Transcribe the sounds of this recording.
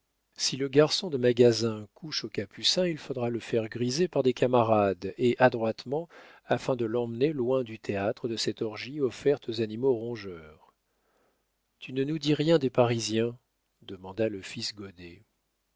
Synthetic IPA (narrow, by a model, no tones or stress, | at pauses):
siləɡaʁsɔ̃d̪əmaɡazɛ̃kʰuʃokapysɛ̃ilfod̪ʁaləfɛʁɡʁizepaʁd̪ekamaʁad̪eʔad̪ʁwat̪mɑ̃ | afɛ̃d̪əlɑ̃mnelwɛ̃d̪yt̪ʰeat̪χəd̪əsɛt̪ɔʁʒiɔfɛʁt̪ʰozanimoʁɔ̃ʒœʁ | t̪ʰynənud̪iʁjɛ̃d̪epaʁizjɛ̃ | d̪əmɑ̃d̪aləfisɡɔd̪e